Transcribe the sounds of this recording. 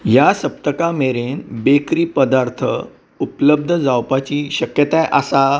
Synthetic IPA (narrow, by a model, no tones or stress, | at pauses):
jasəp̚t̪əkameɾenbekɾiːpəd̪aɾt̪ʰə̰ | upləb̚d̪ʱəd͡zawpat͡ɕiːɕəkjət̪ajʔəsa